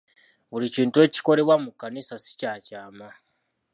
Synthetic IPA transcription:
βuliciːntue̞ːci̥ko̞ɾe̞βwamukːanisasi̥caːcaːma

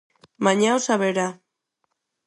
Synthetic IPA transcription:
maɲawsaβeɾa

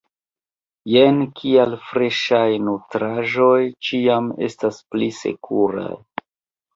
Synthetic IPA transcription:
jenkʰialfɾeʃajnutɾaʒo̞jt͡ʃiame̞̰stasplise̞̰kʰuɾa̰j

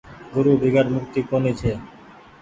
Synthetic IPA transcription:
ɡuɾubʱiɡaɾmuk̚t̪ikonit͡ɕʰe

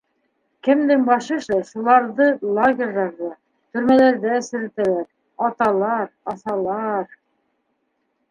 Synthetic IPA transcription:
kɘ̆md̪ɘŋbɑʃɤʃɤʃulˠɑɾðɤlˠoɡʲerʲlɑɾðɑ | t̪ɵ̆ɾmælæɾðæɘ̆sɘ̆ɾɘ̆t̪ælæɾ | ɑt̪ɑlˠɑɾɑθɑlˠɑɾ

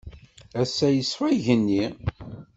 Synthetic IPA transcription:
æsːæjəswæʝənːi

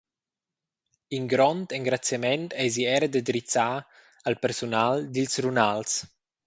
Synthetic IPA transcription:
iŋɡɾɔnt̪ɛŋɡɾat͡sjamɛnt̪ɛjziɛɾəd̪əd̪ɾit͡sa | alpɛɾsunald̪ilsrunals

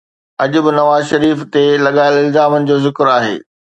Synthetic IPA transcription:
ɐʄʊbɪnɐʋaːzʃɐɾiːft̪elɐɠaːɪlɪlzaːmənɪ̆d͡ʑoːzɪkɪɾaːɦḛː

